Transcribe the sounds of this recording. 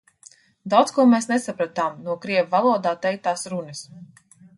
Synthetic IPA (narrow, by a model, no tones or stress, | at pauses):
d̪awt̪skuɔmeːsnesapɾat̪aːmnuɔkɾiɛvvalˠuɔd̪aːt̪ɛjt̪aːsɾunɨs